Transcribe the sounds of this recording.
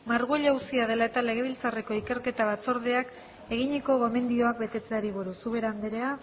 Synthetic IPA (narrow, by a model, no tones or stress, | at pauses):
maɾɣueʎausiað̞e̞lae̞t̪ale̞ɣ̞e̞β̞ilt͡sare̞ko̞ike̞ɾke̞t̪aβ̞at͡so̞ɾð̞e̞ak | e̞ɣ̞iɲeko̞ɣo̞me̞nd̪io̞ak̚be̞t̪e̞t͡se̞aɾiβ̞uɾusuβe̞ɾand̪eɾea